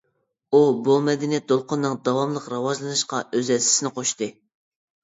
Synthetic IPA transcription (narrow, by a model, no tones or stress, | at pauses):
ubumɛd̪ɪnijɛt̪̚d̪olˠqʰʊnːɨŋd̪ɑwɑmlˠəqɾɑwɑʒlˠɨnɨʃqɑʔøzɛsɪ̥sɪnɪqʰoʃt̪ɨ